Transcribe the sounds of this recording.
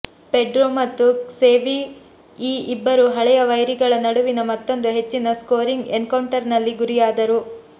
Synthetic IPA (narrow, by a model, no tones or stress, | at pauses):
peɖɾoːmɐt̪ːuseːʋi | iːibːɐɾuɦɐɭɛjɐʋɐjɾiɡɐɭɐnɐɽuʋinɐmɐt̪ːo̞nd̪uɦe̞t͡ʃːinɐskoːɾiŋɡenkɐwɳʈɐɾnɐlːiɡuɾijaːd̪ɐɾu